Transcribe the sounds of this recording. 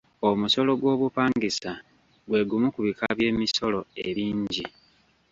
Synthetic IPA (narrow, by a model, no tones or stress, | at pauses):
omuso̞lo̞ɡwo̞ːβupaːŋɡisa | ɡwe̞ːɡumukuβikʰaβje̞ːmiso̞lo̞ḛɾiːɲɟi